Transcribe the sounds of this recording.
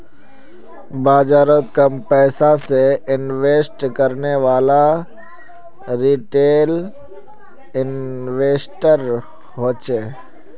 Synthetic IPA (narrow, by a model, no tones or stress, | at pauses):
baːd͡ʒaːɾot̪kɐmpɛːsaseɪnʋeːsʈkəɾneʋaːla | ɾiːʈeːl | ɪnʋeːsʈəɾ | ɦoːt͡ʃeː